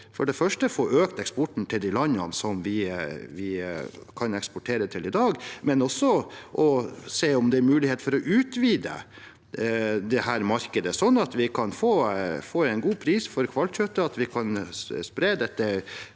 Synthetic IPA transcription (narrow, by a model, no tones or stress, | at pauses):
fɔɖɛfœʂʈəfoːɾøːkt̪ɛkspɔʈɳ̩t̪ʰɪld̪ilɑnːɑnsɔmʋɪʋɪkʰɑnɛkspɔʈʰeːɾət̪ʰɪlɪd̪ɑːɡmɛnɔsɔʔɔseːɔmd̪ɛæɾmʉːlɪheːt̪fɔɾɔʔʉːt̪ʋiːd̪ə̰ | d̪ɛhæɾmɑɾkəd̪əsɔnːɑt̪ʋɪkʰɑnfoːfoːɛɪnɡuːpʰɾiːsfɔɾkʰʋɑlt̪ɕœt̪ːəɑt̪ʋɪkʰɑnspɾeːd̪ɛt̪ːə